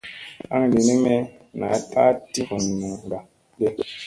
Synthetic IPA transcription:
a˦ŋ˨li˨ni˦me˦ | na˨˦tʰa˦ti˦vu˨n˨nu˨ŋɡa˨ | be˦

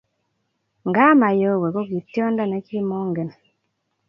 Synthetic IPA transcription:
ŋɡa˦ma˨jo˦˨wɛ˨ko˦ki˨tjɔ˦nda˦˨nɛ˨˦ki˦mɔ˦ŋɡe˨n˨

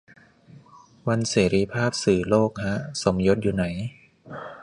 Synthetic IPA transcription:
wa˧nseː˩˦ɾiː˧pʰaː˥˩p̚sɯː˨˩loː˥˩k̚ha˦˥ʔso˩˦mjo˦˥t̪̚juː˨˩na˩˦j

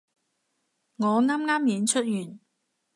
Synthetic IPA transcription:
ŋɔː˨˧ŋaː˥mŋaː˥mjiː˨˧nt͡ʃʰɵ˥t̚jyː˨˩n

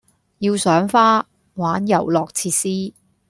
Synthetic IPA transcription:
jiː˧wsœː˨˥ŋfaː˥ | waː˨˥njɐ̰˨˩wlɔː˨k̚t͡sʰiː˧t̚siː˥

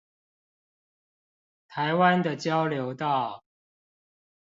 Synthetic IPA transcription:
t̪ʰa˨˦ɪwa˦nd̪ə˨t͡ɕjɑ˦ʊljo˨˦ʊt̪ɑ˥˨ʊ

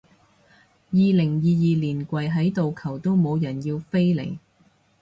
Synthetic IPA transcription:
jiː˨˧lɪ˨˩ŋjiː˨jiː˨liː˨˩nkʷɐ˨jɦɐ˨˥jt̪o˨wkʰɐ˨˩wt̪o˥wmo˨˧wjɐ˨˩njiː˧wfe˥jlḛ˨˩j

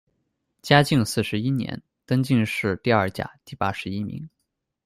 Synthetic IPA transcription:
t͡ɕja˥t͡ɕi˥˧ŋsɹ̩˥˩ʂɻ̩˧˥i˥njɛ̰˧˥n | t̪ɤ˥ŋt͡ɕi˥˧ŋʂɻ̩˥˧t̪i˥˧ɐ˞˥˩t͡ɕja̰˨˩˦t̪i˥˩pa˥ʂɻ̩˧˥i˥mḭ˧˥ŋ

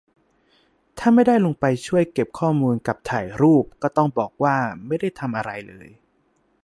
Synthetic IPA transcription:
t̪ʰaː˥˩ma˥˩jdaː˥˩jlo˧ŋpa˧jt͡ɕʰu˥˩əjke˨˩p̚kʰɔː˥˩muː˧nka˨˩p̚t̪ʰaː˨˩jɾuː˥˩p̚kɔː˥˩t̪ɔ˥˩ŋbɔː˨˩k̚waː˥˩ma˥˩jda˥˩jt̪ʰa˧mʔa˧ɾa˧jlɤ̰ː˧j

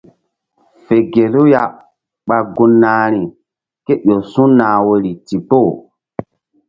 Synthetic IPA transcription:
fe˨ɡe˨lu˦ja˦ | ɓa˨ɡu˧nːaː˨ɾi˨ | ke˦ɓo˨sũ˦naː˨wo˨ɾi˨ti˨po˦˨

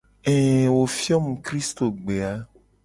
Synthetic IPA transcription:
ɛː˨wo˨fi˦ɔ˦mũ˨kɾi˦st̪o˨ɡ͡be˨a˦

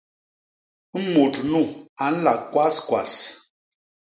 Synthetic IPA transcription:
mo˨tnu˦˨a˨n̩˦la˨kwa˦skwa˨s

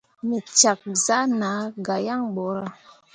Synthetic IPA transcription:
mi˨t͡ʃa˨k̚za˦na˨˦ɡa˨ja˦ŋɓo˨ɾa˦

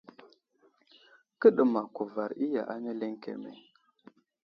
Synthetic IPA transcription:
kə˦ɗə˨ma˨ku˨va˨ɾi˦ja̰˨ʔa˦ne˦le˦ŋkḛ˨mḛ˨

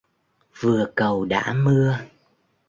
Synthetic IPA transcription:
vɨ˨˩əkə˨˩wɗa̰ː˧˥mɨ˧ə

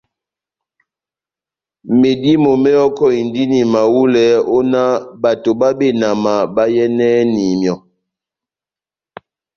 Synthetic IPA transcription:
me˨di˦mo˨mɛ˦ɔ˦kɔ˦i˨ndi˦ni˨ma˨wu˦lɛ˨˦o˦na˦ba˨to˨ba˦be˦˨na˨ma˨ba˦jɛ˦nɛ˦ni˨mjɔ˨

